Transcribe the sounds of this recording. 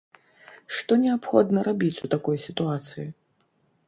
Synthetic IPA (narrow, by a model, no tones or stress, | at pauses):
ʂt̪ɔnʲɛapxɔd̪nɐɾabʲit͡sʲut̪akɔjsʲit̪uat̪sɨji